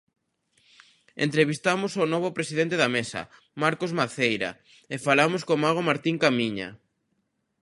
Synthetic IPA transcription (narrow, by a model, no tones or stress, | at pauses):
ḛnt̪ɾeβist̪amʊsonoβ̞opɾesiðent̪eðamesɐ̰ | maɾkozmaθejɾa̰ | efalamoskomaɣ̞omaɾt̪iŋkamiɲa̰